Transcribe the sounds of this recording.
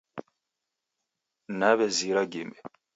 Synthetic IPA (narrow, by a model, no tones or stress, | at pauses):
naβɛziɾaɡimɛ